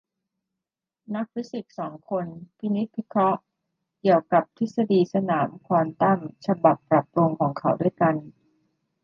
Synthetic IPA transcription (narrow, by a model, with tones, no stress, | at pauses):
na˦˥k̚pʰi˦˥si˨˩t̪̚sɔː˩˦ŋkʰo˧npʰi˦˥ni˦˥t̪̚wi˦˥kʰɾɔ˦˥ʔ | ki˨˩əwka˨˩p̚t̪ʰi˦˥t̪̚sa˧diː˧sa˧naː˩˦mkʰwaː˧mt̪a˥˩mt͡ɕʰa˧ba˨˩pːɾa˨˩p̚ɾu˧ŋkʰɔː˩˦ŋkʰa˩˥wdu˥˩əjka˧n